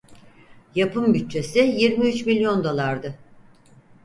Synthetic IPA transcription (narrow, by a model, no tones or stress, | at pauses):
japʰɯmbyt̚t͡ʃʰe̞sɪjiɾmiyt͡ʃmilʲjo̞nd̪o̞lˠaɾd̪ɯ